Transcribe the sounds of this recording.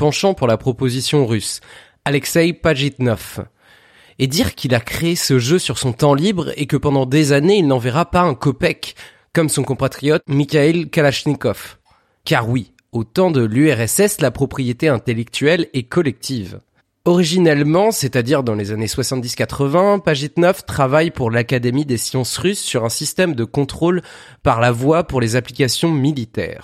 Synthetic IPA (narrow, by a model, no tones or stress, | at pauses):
pɑ̃ʃɑ̃puʁlapχɔpozisjɔ̃ʁys | alɛksɛjpaʒit̪nɔf | ed̪iʁkʰilakχeesəʒøsyʁsɔ̃t̪ɑ̃libʁekəpɑ̃d̪ɑ̃d̪ezaneilnɑ̃vɛʁapaɛ̃kɔpɛkː | ɔmsɔ̃kɔ̃pat̪χijɔt̪mikʲailkalaʃnikɔf | kaʁwi | ot̪ɑ̃d̪əlyɛʁɛsɛslapχɔpχijet̪eɛ̃t̪elɛk̚t̪ɥɛlɛkɔlɛk̚t̪ʰiv | ɔʁiʒinɛlmɑ̃set̪ad̪iʁd̪ɑ̃lezaneswasɑ̃t̪̚d̪iskat̪χəvɛ̃paʒit̪nœft̪χavajpuʁlakad̪emid̪esjɑ̃sʁysːyʁɛ̃sist̪ɛmd̪əkɔ̃t̪χol | paʁlavwapuʁlezaplikasjɔ̃milit̪ɛ̰ːʁ